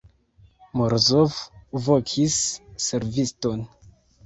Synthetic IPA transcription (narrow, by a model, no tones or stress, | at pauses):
moɾzofvokʰisːe̞ɾvisto̞n